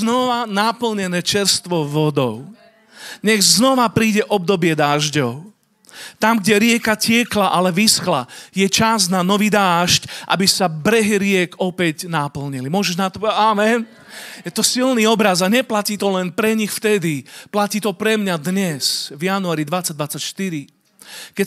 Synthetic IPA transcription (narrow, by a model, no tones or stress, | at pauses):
znɔʋanapl̩ɲɛnɛːt͡ʃɛɾst̪ʋɔʋɔd̪ɔʊ | ɲɛɣznɔʋapɾiːɟɛʔɔb̚d̪ɔbɪɛd̪aːʒɟɔʊ | t̪amɡɟɛɾɪɛkacɪɛklaʔalɛʋisxla̰jɛt͡ʃaznanɔʋid̪aːʃcʔa̰bisabɾɛɦiɾɪɛkɔpɛɟnapl̩ɲilimʊɔʒɛʒnat̪ɔamɛn | jɛt̪ɔsilniɔbɾazaɲɛplaciːt̪ɔlɛnpɾɛɲixft̪ɛd̪iplaciːt̪ɔpɾɛmɲad̪ɲɛsvjanuaːɾid̪ʋat͡sːaɟ̚d̪ʋat͡sːacʃt̪iɾi | kɛ